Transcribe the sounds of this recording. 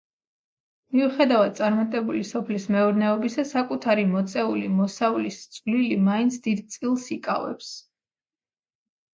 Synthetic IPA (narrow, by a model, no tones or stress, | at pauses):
miuχɛd̪avad̪̚sʼaɾmat̪ʼɛbulisɔpʰlismɛɔɾnɛɔbisasakʼut̪ʰaɾimɔt̪sʼɛulimɔsaulist̪sʼvlilimaint̪sʰd̪id̪̚t̪sʼilˠsikʼa̰vɛ̰ps